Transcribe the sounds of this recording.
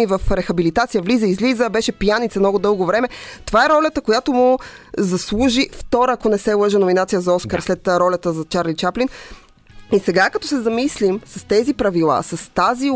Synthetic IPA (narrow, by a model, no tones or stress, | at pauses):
ivɐfɾɛxɐbilit̪at̪sijəvlizəizlizəbɛʃɛpijanit̪səmnɔɡʊd̪ɤlˠɡovɾɛmɛt̪ovaɛɾɔlʲət̪əkojat̪omuzɐslˠuʒift̪ɔɾəːkonɛsɛlˠəʒənominat̪sijəzɐɔskəɾslɛt̪ɾɔlʲət̪əzɐt͡ʃaɾlit͡ʃaplin | isɛɡakɐt̪ɔsɛzɐmislimsɐst̪ɛzipɾɐvilˠa̰sɐst̪azi